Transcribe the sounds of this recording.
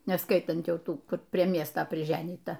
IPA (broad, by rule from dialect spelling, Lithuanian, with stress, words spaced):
nʲɛˈskɐɪtɐnt ˈjɛʊ ˈtuː ˈkʊr ˈpʲrʲiɛ ˈmʲiɛstɐ pʲrʲɪˈʒʲæːnʲiːtɐ